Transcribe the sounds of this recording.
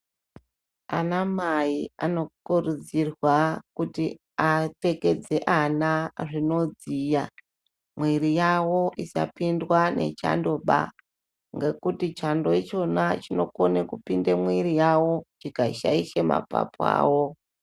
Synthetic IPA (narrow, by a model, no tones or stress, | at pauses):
anamaia̰no̞kurud͡zirwakuti | ate̞ke̞d͡ze̞ʔanaʐino̞d͡zija | mwirijawo̞ʔisa̰pindwane̞̰t͡ʃa̰ndo̞ɓa̰ | ŋɡe̞kutit͡ʃando̞et͡ʃo̞nat͡ʃino̞konekupindemwirijawo̞t͡ʃikaʃaiʃema̰pa̰poa̰ːwo